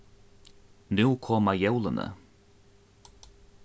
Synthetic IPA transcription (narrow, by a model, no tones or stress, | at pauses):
nuwkʰɔːmajɛwlənə̰